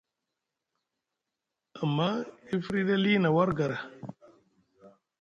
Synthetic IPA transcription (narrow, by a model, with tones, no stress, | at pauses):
a˨mːa˦i˦fɾi˦ɗe˦li˦na˨wa˦ɾɡa˨ɾa˨